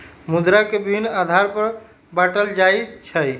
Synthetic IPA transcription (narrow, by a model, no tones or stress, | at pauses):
mud̪ɾakebibʱinːad̪ʱaɾpəɾ | baʈəld͡ʒajt͡ʃʰəj